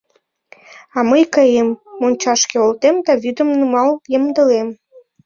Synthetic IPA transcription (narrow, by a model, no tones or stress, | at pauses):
ɑməjkəjemːonʲt͡ɕɑʃkeolt̪emd̪ɑβyd̪ə̆mnumɑlˠjəmd̪ə̆lem